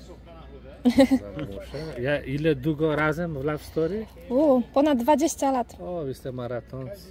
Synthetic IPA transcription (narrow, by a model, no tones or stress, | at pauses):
muʃɛjaʔilɛd̪uɡɔɾazɛmvlafst̪ɔɾi | upɔnad̪̚d̪vad͡ʑeɕt͡ɕalat̪ɔvislɛmaɾat̪ʰɔns